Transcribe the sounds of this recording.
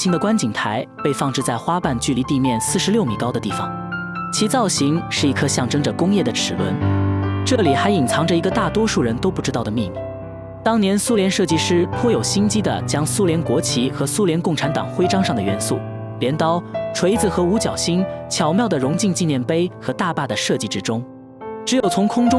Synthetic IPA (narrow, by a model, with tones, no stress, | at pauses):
i˥ŋd̪ə˨kwa˥nt͡ɕi˨˩ŋt̪ʰa˧˥ɪpe˥˧ɪfɑ˥˧ŋʈ͡ʂɻ̩˥˧t͡sa˥˩ɪxwa˥pa˥˧nt͡ɕy˥˩li˧˥t̪i˥˧mjɛ˥˧nsɹ̩˥˩ʂɻ̩˧˥ljo˥˩ʊmi˨˩kɑ˥ʊd̪ə˩t̪i˥˩fɑ̰˨˩ŋ | t͡ɕʰi˧˥t͡sɑ˥˩ʊɕi˧˥ŋʂɻ̩˥˩i˧˥kʰɤ˥˧ɕjɑ˥˩ŋʈ͡ʂɤ˥ŋʈ͡ʂə˨kʊ˥ŋjɛ˥˩d̪ə˩ʈ͡ʂʰɻ̩˨˩lwə̰˧˥nʈ͡ʂɤ˥˩li˨˩xa˧˥ɪi˨˩ŋt͡sʰɑ˧˥ŋʈ͡ʂə˧˩i˧˥ɡə˧t̪a˥˩t̪wɔ˥ʂu˥˩ɻə˧˥nt̪o˥ʊpu˥˩ʈ͡ʂɻ̩˥t̪ɑ˥˩ʊd̪ə˩mi˥˧mḭ˨˩ | t̪ɑ˥ŋnjɛ˧˥nsu˥ljɛ˧˥nʂɤ˥˩t͡ɕi˥˧ʂɻ̩˥pʰwɔ˥jo˨˩ʊɕi˥nt͡ɕi˥d̪ə̰˨t͡ɕjɑ˥ŋsu˥ljɛ˧˥nkwɔ˧˥t͡ɕʰi˧˥xɤ˧˥su˥ljɛ˧˥nkʊ˥˩ŋʈ͡ʂʰa˧˥nt̪ɑ̰˨˩ŋxwe˥ɪʈ͡ʂɑ˥ŋʂɑ˥˩ŋd̪ə˩ɥɛ̰˧˥nsṵ˥˩ | ljɛ˧˥nt̪ɑ˥ʊʈ͡ʂʰwe˧˥ɪd͡zɹ̩˧˩xɤ˧˥u˧˥t͡ɕjɑ̰˨˩ʊɕi˥nt͡ɕʰjɑ˨˩ʊmjɑ˥˩ʊd̪ə˩ɻʊ˧˥ŋt͡ɕi˥˧ŋt͡ɕi˥˧njɛ˥˩npe˥ɪxɤ˧˥t̪a˥˧pa˥˩d̪ə˩ʂɤ˥˧t͡ɕi˥˧ʈ͡ʂɻ̩˥ʈ͡ʂʊ˥ŋ | ʈ͡ʂɻ̩˧˥jo˨˩ʊt͡sʰʊ˧˥ŋkʰʊ˥ŋʈ͡ʂʊ˥